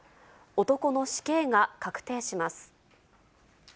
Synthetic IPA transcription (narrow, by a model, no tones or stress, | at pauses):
o̞t̪o̞ko̞no̞ɕi̥ke̞ːŋakakɯ̟̥t̪e̞ːɕimasɨ̥